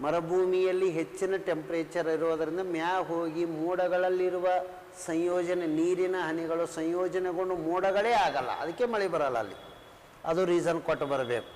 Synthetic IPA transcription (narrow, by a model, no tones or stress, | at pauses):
mɐɾɐbʱuːmijɐlːiɦe̞t͡ʃːinɐʈe̞mpɐɾeːt͡ʃɐɾɐiɾuʋɐd̪ɐɾind̪ɐmjaːɦoːɡimuːɽɐɡɐɭɐlːiɾuʋɐ | sɐɲjɔːd͡ʒɐneniːɾinɐɦɐniɡɐɭusɐɲjɔːd͡ʒɐneɡo̞ɳɖumuːɽɐɡɐɭeːaːɡɐlːɐ̰ɐ̰d̪ɐkːemɐɭɛbɐɾɐlːɐ̰ːlːḭ | ɐd̪uɾiːzɐnkoʈːbɐɾɐbeːku